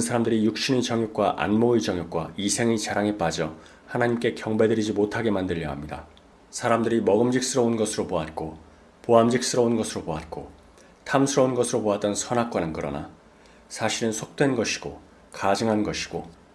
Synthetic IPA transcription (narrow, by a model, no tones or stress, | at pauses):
ɯnsʰaɾamdɯɾijuk̚ɕ͈inet͡ɕʌŋjuk̚k͈waʔa̰nmoit͡ɕʌŋjuk͈̚waisʰe̞ŋet͡ɕaɾaŋep͈ad͡ʑʌ | hanaɲimk͈e̞kjʌŋbe̞dɯɾid͡ʑimotʰaɡe̞mandɯʎːʌ̰ɦamɲida̰ | sʰaɾamdɯɾimʌɡɯmd͡ʑik̚s͈ɯɾʌunɡʌsʰɯɾopoat̚k͈o | poamd͡ʑik̚s͈ɯɾʌunɡʌsʰɯɾopoat̚k͈o | tʰamsʰɯɾʌunɡʌsʰɯɾopoat̚t͈ʌnsʰʌnɦak̚k͈wanɯnkɯɾʌ̰na̰ | sʰaɕʰiɾɯnsʰok̚t͈we̞nɡʌɕʰi̥ɡ̥o̰ | kad͡ʑɯŋɦanɡʌɕʰi̥ɡ̥o